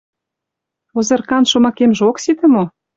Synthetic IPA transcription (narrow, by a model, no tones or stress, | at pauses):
ozɤ̆rkɑnʃŏmɑkemʒeoksit̪ə̆mo